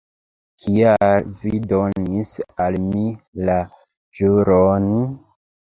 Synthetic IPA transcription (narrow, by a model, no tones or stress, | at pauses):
kʰialvido̞nisalmila | ʒuɾon